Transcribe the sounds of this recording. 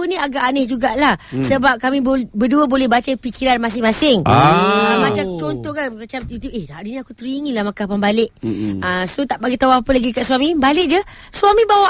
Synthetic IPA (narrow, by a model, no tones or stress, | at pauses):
unĩaɡaʔanehd͡ʒuɡaʔlahsəbap̚kamĩbobəduəbolɛhbat͡ʃəpikiɾanmas̬ɪŋmasɪŋəmat͡ʃat͡ʃont̪ɔhkanmat͡ʃamjut̪uehhaduɲãakut̪əɾiŋilahmakapanbalɪʔ̚əsot̪aʔbaɡit̪awaapəlaɡikaʔswamĩbalɪʔ̚d͡ʒə | swamĩbawa